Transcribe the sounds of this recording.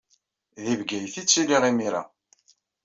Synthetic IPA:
ðivɡæjθit͡sːiliʁimiɾa̰

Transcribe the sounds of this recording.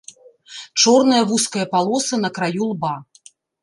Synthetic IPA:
t͡ʂɔrnɐjɐvuskɐjɐpalˠɔsɨnɐkɾajulˠba

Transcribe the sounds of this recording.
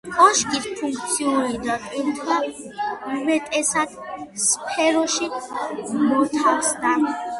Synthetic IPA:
kʼɔʃkit̪pʰuŋk̚ʰʼt̪sʰiuɾid̪akʼwiɾt̪ʰa | umɛt̪ʼɛsad̪spʰɛɾɔʃi | mɔt̪ʰaksd̪a

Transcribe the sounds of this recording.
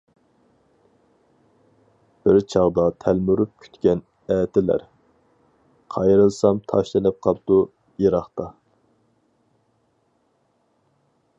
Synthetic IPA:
b̥ɪɾt͡ʃʰɑʁd̪ɑt̪ʰælmyɾup̚kʲʰy̥t̪kʲɛn | ɛːt̪ʰɪlæ̰ɾ | qʰɑjɾɨlˠsɑmt̪ʰɑʃlɨnɨp̚qʰɑp̚d̪̥u | jeɾɑχt̪ɑ

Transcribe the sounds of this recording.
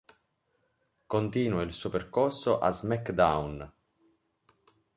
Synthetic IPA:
kont̪iːnuailsuːoperkorsoʔa̰zmɛkd̪awn

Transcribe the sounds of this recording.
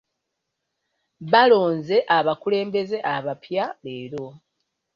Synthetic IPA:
βalo̞ːnze̞ʔaβakule̞ːmbe̞ze̞ʔaβapjaleːɾo̞

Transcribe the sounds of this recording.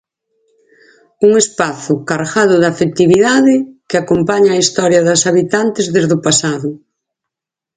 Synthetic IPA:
uŋespaθʊkaɾɣaðʊðafet̪iβiðaðɪkɪakompaɲaːist̪ɔɾjɐðɐsaβit̪ant̪ɪzðezðʊpasaðʊ

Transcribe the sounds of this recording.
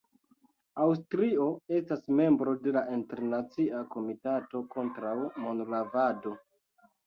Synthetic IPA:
awstɾio̞e̞stasme̞mbɾo̞de̞laʔinte̞ɾnat͡siako̞mitato̞ko̞ntɾawmo̞nlavado̞

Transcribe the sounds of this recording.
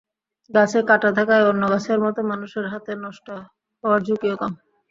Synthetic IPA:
ɡat͡ɕʰekaʈat̪ʰakaeonːoɡat͡ɕʰeɾmɔt̪omanuʃeɾɦat̪enɔʃʈa | ɦɔaɾd͡ʑukiokam

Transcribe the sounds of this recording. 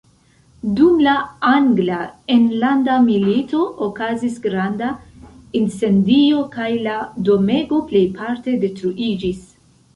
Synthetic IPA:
dumlaaŋɡlaenlandamilito̞ʔokazisɡɾandainse̞ndio̞kajlado̞me̞ɡo̞ple̞jpʰaɾte̞de̞tɾuʔid͡ʒis

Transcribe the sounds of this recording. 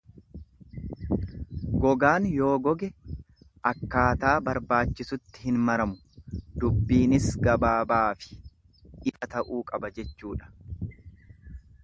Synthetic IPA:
ɡɔɡaːnjo̞ːɡɔɡɛ | ʔɐkːaːt̪aːbɐɾbaːt͡ʃːɪsʊt̪ːɪ̥hɪnmɐɾɐmʊ | d̪ʊbːiːnɪsɡɐbaːbaːfɪ̥ | ᶑɪfɐt̪ɐʔuːkʼɐbɐd͡ʒɛt͡ʃːuːᶑɐ̥

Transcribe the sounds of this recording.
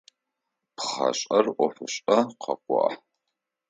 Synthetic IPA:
pχɐ̰ɕʼɐrʔʷɔfɨɕʼɐqʰɐ̰qʷɔ̰ħ

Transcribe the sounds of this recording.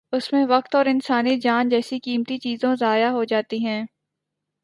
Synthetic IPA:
ʊsmẽʋɐk̚t̪ɔːɾɪnsaːnid͡ʒaːnd͡ʒɛːsikiːmt̪it͡ʃiːzõzaːjaɦod͡ʒaːt̪iɦɛ̃ː

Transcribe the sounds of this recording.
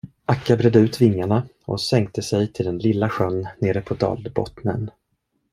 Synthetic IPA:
ʔakːabɾɛːd̪əʉ̟ːt̪vɪŋːaɳa | ɔ̰sɛŋk̚t̪əsɛjt̪ʰɪld̪ɛnlɪlːaɧœnːeːɾəpʰɔd̪ɑ̰ːld̪bɔ̰t̪nən

